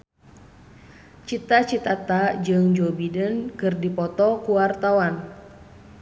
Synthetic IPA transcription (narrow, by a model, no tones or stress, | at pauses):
t͡ʃit̪at͡ʃit̪at̪ad͡ʒɨŋd͡ʒɔbidənkɨrdipɔt̪ɔkuwart̪awan